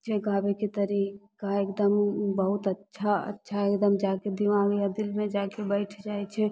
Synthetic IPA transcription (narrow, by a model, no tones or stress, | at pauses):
t͡ʃʰɛɡabeket̪əɾikaekd̪əmbəɦut̪ətːʃʰaə̰tːʃʰaekd̪əmd͡ʒaked̪imaɡjad̪ilmed͡ʒakebəɪʈʰd͡ʒajt͡ʃʰɛ